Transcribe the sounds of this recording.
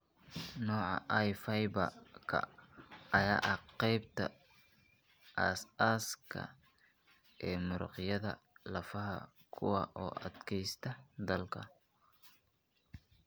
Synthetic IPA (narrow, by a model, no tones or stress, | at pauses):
nɔːʕɑ̰ʔɐjfɐjbɐkʰɐ̰ | ɐjaːʔɐqɛjb̚t̪ʰɐ | ʔɐsaːskʰɐ̰ | ɛːmʊɾɑ̰qjɐðɐlɐfɐɦɐ̰ | kʰʊwɑʔɔ̰ːʔɐd̪kʰɛjst̪ʰɐd̪ɐlkʰɐ